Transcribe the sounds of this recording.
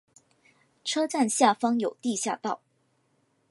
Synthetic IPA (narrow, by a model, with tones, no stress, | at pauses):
ʈ͡ʂʰɤ˥t͡sa˥˧nɕja˥˩fɑ˥ŋjo˨˩ʊt̪i˥˧ɕja˥˧t̪ɑ˥˩ʊ